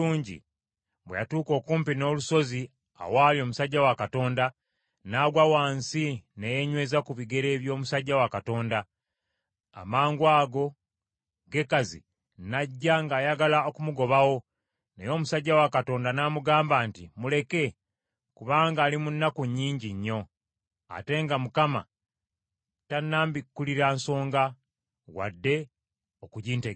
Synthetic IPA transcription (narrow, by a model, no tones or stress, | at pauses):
uːɲɟḭ | bweja̰tuːko̞ːkuːmpino̞ːluso̞zi | a̰waːlio̞ːmusaɟːawakato̞ːnda | naːɡwawaːnsinejeɲwe̞ːzakuβiɡe̞ɾe̞ːβjo̞ːmusaɟːawakato̞ːnda | a̰maːŋɡwaːɡo̞ | ɡe̞kazḭ | naɟːaŋɡaːjaɡalaokumuɡo̞βawo̞ | nejo̞ːmusaɟːawakato̞ːndanamuɡaːmbaːntimule̞ke̞ | kuβaːŋɡaːlimunːakuɲːiːɲɟiɲːo̞ | a̰te̞ŋɡamukama̰ | tanːaːmbikːuliɾanso̞ːŋɡa | wa̰dːe̞ | okuɟiːnte